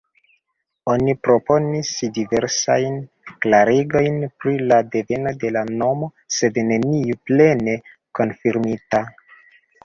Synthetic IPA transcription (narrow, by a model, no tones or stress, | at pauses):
o̞nipɾo̞po̞nisdive̞ɾsajn | klaɾiɡo̞jnpɾilade̞ve̞no̞de̞lano̞mo̞ | se̞dne̞niuple̞ne̞ | ko̞nfiɾmita